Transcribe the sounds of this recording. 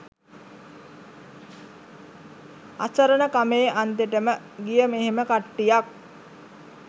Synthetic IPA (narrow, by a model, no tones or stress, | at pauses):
a̰səɾənəkameːʔant̪eʈəmə | ɡijəmeɦeməkaʈːijak̚